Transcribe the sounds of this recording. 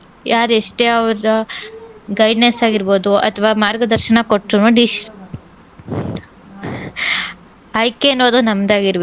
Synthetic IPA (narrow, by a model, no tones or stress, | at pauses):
jʔaːɾeʂʈeɐʋɐɾɐ | ɡɐjɖnesaːɡiɾbo̞ːd̪uɐ̰t̪ʰɐʋaːmaːɾɡɐd̪ɐɾʃɐnɐkoʈːɾunuɖiʃ | ɐjkeɐnːoːd̪unɐmd̪aːɡiɾʋe